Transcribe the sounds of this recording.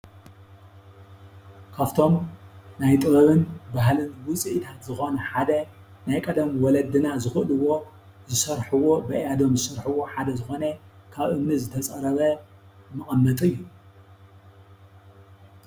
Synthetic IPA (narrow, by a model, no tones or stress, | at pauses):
kʰaft̪ʰo̞mnajt̪ʼɨβɐβɨnbaɦlɨnwʊt͡sʼiʔt̪ʰat̪zɨxo̞nɐħad̪ɐ | najkʼɐd̪ɐmwɔlɐd̪ɨnazɨxɨʔlɨwo̞ | zɨsɐɾħɨwo̞bɐʔad̪o̞mzɨsɐɾħuwo̞ħad̪ɐzɨxo̞nɐkʰaβʔɨmnizɨt̪ʰɐt͡sʼɐɾɐβɐmɨχʼɐmːɐt̪ʼɨjːu